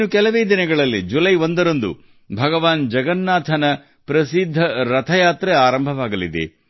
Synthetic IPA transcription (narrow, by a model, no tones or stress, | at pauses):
nukɛlɐʋeːd̪inɐɡɐɭɐlːid͡ʒulɐjo̞nd̪ɐɾond̪ṵ | bʱɐɡɐʋaːnd͡ʒɐɡɐnːaːt̪ʰɐnɐ | pɾɐsid̪ʱːɐɾɐt̪ʰɐjaːt̪ɾeaːɾɐmbʱɐʋaːɡɐlid̪ḛ